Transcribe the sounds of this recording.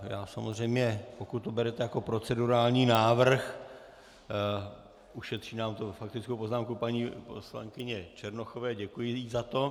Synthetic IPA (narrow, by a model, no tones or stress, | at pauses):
ja̰ːsamozr̝ɛjmɲɛpo̞kut̪tːobɛɾɛt̪ɛjako̞pɾo̞t͡sɛduɾaːlɲiːnaːvr̩x | ʔuʃɛt̪r̥iːnaːmt̪ofak̚t̪ɪt͡skowpo̞znaːmkupaɲiːpo̰sla̰ŋkɪɲɛt͡ʃɛɾnoxovɛːɟɛkujɪjiːzat̪o̞